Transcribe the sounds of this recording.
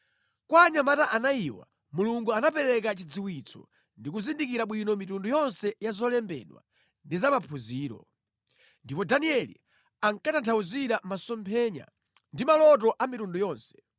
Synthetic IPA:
kwaɲamataʔanaiwa̰ | muluŋɡuanapɛɾɛk̬at͡ʃid͡ziwit͡sʰɔ̥̰ | ndik̬uzindikiɾaɓwinɔmitundujɔnsɛjazɔlɛmbɛ̰ɗwa̰ | ndizamapʰuziːɾɔ̰ | ndipɔdaniɛlḭ | aŋkatantʰauziɗamasɔmpʰɛɲa̰ | ndimalɔt̬ɔʔamitundujɔːnsɛ̥

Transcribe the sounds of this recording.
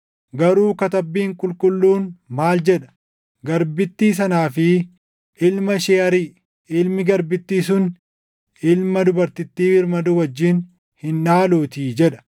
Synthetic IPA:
ɡɐɾuːkɐt̪ɐbːiːŋkʼʊlkʼʊlːuːnmaːld͡ʒɛᶑɐ̥ | ɡɐɾbɪt̪ːiːs̬ɐnaːfɪ | ʔɪlmɐʃɛːɐɾi | ɪlmɪɡɐɾbɪt̪ːiːsʊn | ɪlmɐd̪ʊbɐɾt̪ɪt̪ːiːɪɾmɐd̪ʊwɐd͡ʒːiːn | hɪnᶑaːluːt̪iːd͡ʒɛᶑɐ̥

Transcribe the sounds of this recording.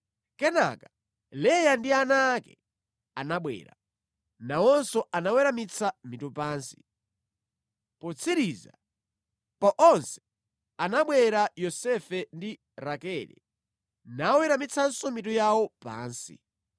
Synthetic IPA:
kɛna̰ka | lɛjandianaːkɛ̰ | anaɓwɛ̰ːɾa̰ | nawɔnsɔanawɛɾamit͡sʰamitupaːnsi | pɔt͡sʰiɾiza | paʔɔnsɛ̥ | anaɓwɛɾajɔsɛfɛndi | ɾakɛlɛ̰ | nawɛɾamit͡sʰansɔmit̬ujawɔpa̰ːnsḭ

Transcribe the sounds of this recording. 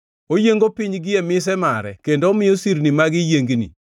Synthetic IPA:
ojeŋɡopɪɲɡɪɛmɪs̬ɛmaɾɛ̰kendoːmɪjosiɾnimaɡɪjeŋɡnḭ

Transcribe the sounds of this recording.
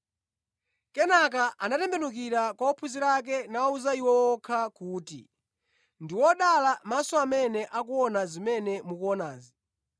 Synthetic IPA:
kɛnak̬aʔanatɛmbɛnuk̬iɾakwaɔpʰuziɾak̬ɛnauzaiwɔwɔkʰakuːtḭ | ndiwɔɗalamasɔamɛnɛʔakuɔnazimɛnɛmukuɔnaːzi

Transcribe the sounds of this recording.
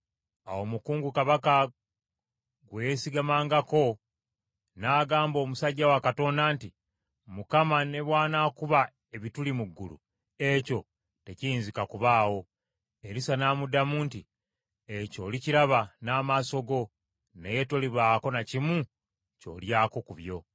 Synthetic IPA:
awo̞mukuːŋɡukaβaka | ɡwejesiɡamaːŋɡako̞ | naːɡaːmbo̞ːmusaɟːawakato̞ːndaːnti | mukamane̞βwaːnakuβa | e̞βitulimuɡːṵlṵ | e̞co̞ | te̞ciiːnzikakuβaːwo̞ | eɾisanaːmudamuːnti | eco̞liciɾaβanaːmaso̞ɡo̞ | neje̞toliβaːko̞nacimu | co̞̰ːljaːko̞kuβjo̞

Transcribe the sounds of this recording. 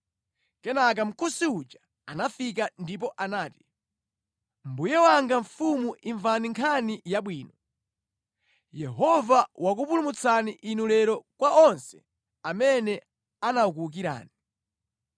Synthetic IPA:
kɛnak̬am̩kusiut͡ʃa | anafik̬andip̬ɔʔanaːti̥ | m̩bujɛwaŋɡaɱfumuʔiɱvaniŋkʰanijaɓwiːnɔ | jɛɦɔvawak̬upulumut͡sʰaniʔinulɛɾɔkwaɔnsɛ̥̰ | amɛnɛ | anauk̬uluk̬iɾa̰ːni

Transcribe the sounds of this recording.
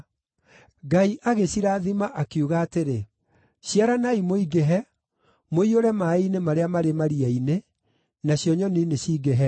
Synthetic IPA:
ɡaiʔaɣeɕiɾaːðimaʔakjuɣaːteɾe | ɕiaɾanaimoiɡeɦɛ | moioɾɛmainemaɾeamaɾemaɾiɛine | naɕjɔɲɔnineɕiːɡeɦɛ

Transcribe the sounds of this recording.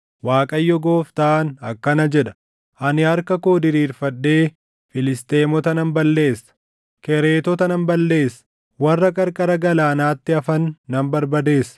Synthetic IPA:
waːkʼɐjːɔɡo̞ːft̪aʔːnɐkːɐnɐd͡ʒɛᶑɐ̥ | ʔɐnɪhɐɾkɐko̞ːd̪ɪɾiːɾfɐdːe̞ː | fɪlɪst̪e̞ːmɔt̪ɐnɐmbɐlːe̞ːsːɐ̥ | kɛɾe̞ːt̪ɔt̪ɐnɐmbɐlːe̞ːsɐ | wɐrːɐkʼɐɾkʼɐɾɐɡɐlaːnaːt̪ːɪɐfɐnːɐmbɐɾbɐd̪e̞ːsɐ̥

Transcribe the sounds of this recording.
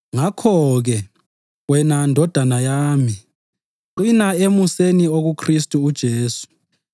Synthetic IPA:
ŋakʰɔɣɛ | wɛnandʱɔd̥ʱanajaːmi | ǃinaemusenioɣukʰristʼuːd̥ʒ̥ʱeːsu̥

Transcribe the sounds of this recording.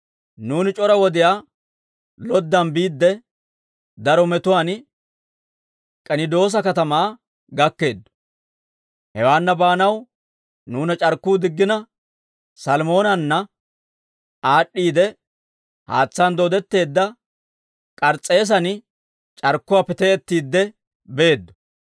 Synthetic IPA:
nuːnɪt͡ʃʼɔɾɐwɔd̪ɪjaː | lɔd̪ːɐnbiːd̪ːɛ | d̪ɐɾɔmɛt̪ʊwaːn | kʼɐnɪd̪o̞ːs̬ɐkɐt̪ɐmaː | ɡɐkːe̞ːd̪ːʊ̥ | hɛwaːnːɐbaːnɐw | nuːnɐt͡ʃʼɐɾkːuːd̪ɪɡːɪnɐ | sɐlmo̞ːnɐnːɐ | aːɗːiːd̪ɛ | ha̰ːt͡sːɐnd̪oːd̪ɛt̪ːe̞ːd̪ːɐ | kʼɐɾt͡sʼːe̞ːs̬ɐn | t͡ʃʼɐɾkːʊwaːpɛt̪ɛɛt̪ːiːd̪ːɛ | beeːd̪ːɔ̥

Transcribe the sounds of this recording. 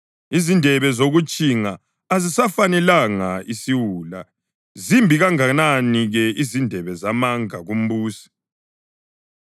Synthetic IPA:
izindʱɛβɛzoɣut͡ʃʼiŋaː | zisafanɛlaŋaisiwuːla̰ | zimbʱiɣaŋananiɣɛizindʱɛβɛzamaŋaɣum̩βuːsi̥

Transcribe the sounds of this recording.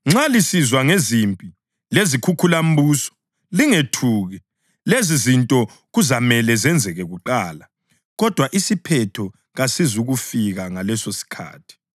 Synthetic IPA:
ŋ͡ǁalisizwaŋezimpʼi | lezikʰukʰulam̩buːsɔ̥ | liŋetʰuːɣɛ | lezizintʼɔ | ɣuzamɛlɛzɛnd͡zʱɛɣɛɣuǃaːla | ɣɔd̥ʱwaʔisipʰɛtʰɔ | ɣasizuɣufiɣaŋalɛsosi̥kʰa̰ːtʰi̥

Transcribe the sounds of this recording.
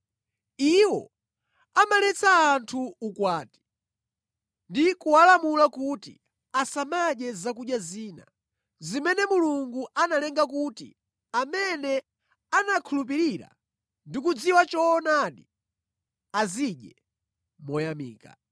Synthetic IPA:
iwɔ̰ | amalɛt͡sʰaːntʰuːkwaːti̥ | ndikuwalamulakutḭ | asamaɗɛzakuɗjaziːna̰ | zimɛnɛmuluŋɡuʔanalɛŋɡakutḭ | amɛnɛ | anakʰulup̬iɾiɾa̰ | ndikud͡ziwat͡ʃɔːnaɗi | aziɗjɛ | mɔjamḭːka̰

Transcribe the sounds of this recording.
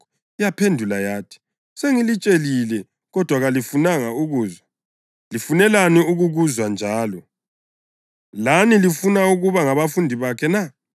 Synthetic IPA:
ijapʰendʱulajaːtʰi̥ | seŋilit͡ʃʼelilɛ | ɣɔd̥ʱwaɣalifunaŋauɣuːzwa | lifunɛlaniuɣuɣuzwand͡ʒʱaːlɔ | lanilifunauɣuβaŋaβafundʱiβakʰɛna

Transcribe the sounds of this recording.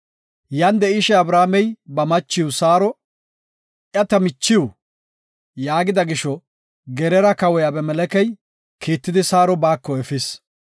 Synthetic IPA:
jɐnd̪ɛɪʃɛɐbɾaːmɛjbɐmɐt͡ʃːɪwʊsaːɾɔ | ʔjɐt̪ɐmɪt͡ʃːɪʊ | jaːɡɪd̪ɐɡɪʃɔ | ɡɛɾɛɾɐkɐwɔjabɛmɛlɛkɛj | kʰiːt̪ːɪd̪ɪsaːɾɔbaːkːɔɛfɪs

